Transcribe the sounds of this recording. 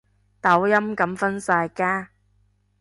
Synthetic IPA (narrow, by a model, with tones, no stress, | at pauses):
t̪ɐ˨˥wjɐ˥mkɐ˨˥mfɐ˥nsaː˧jkaː˥